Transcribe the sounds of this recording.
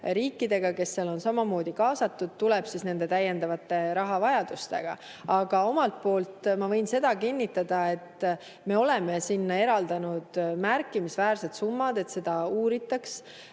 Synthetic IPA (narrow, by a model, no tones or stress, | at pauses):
ɾiːkːˑid̪̥e̞ɡ̥ɑke̞sːelo̞nsɑmɑmo̞ːd̪̥ikɑːsɑt̪ːud̪̥̚t̪ulɛb̥sisne̞nd̪̥e̞t̪æjːe̞nd̪ɑvɑt̪ːˑe̞ɾɑɦɑvɑjɑd̪̥ust̪e̞̰ɡ̥ɑ̰ | ɑɡ̥ɑo̞mɑlt̪̚po̞ːlt̪mɑvɤ̞jnse̞d̪̥ɑkinʲːit̪ːˑɑd̪̥ɑe̞t̪ | me̞o̞le̞me̞sinːɑe̞ɾɑld̪ɑnud̪̥mærkːˑimisvæːrse̞d̪sumːɑd̪̥e̞t̪se̞d̪̥ɑuːɾit̪ːˑɑks